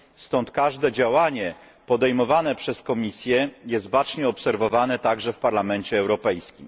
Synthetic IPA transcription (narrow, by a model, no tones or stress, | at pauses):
st̪ɔnt̪̚kaʐd̪ɛd͡ʑawaɲɛ | pɔd̪ɛjmɔvanɛpʂɛskɔmʲisʲjɛjɛst̪̚bat͡ʂɲɛɔpsɛɾvɔvanɛt̪aɡʐɛfpaɾlamɛnt͡ɕɛːwɾɔpɛjskʲim